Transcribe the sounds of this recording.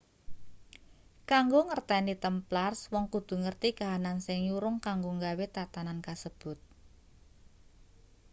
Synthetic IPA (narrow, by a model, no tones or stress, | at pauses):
kaŋɡoŋərt̪ɛnit̪əmplarswɔŋkud̪̥ṳŋərt̪ikaɦanansɪŋjuɾʊŋkaŋɡoŋɡawet̪at̪anankasəb̥ʊ̤t̪̚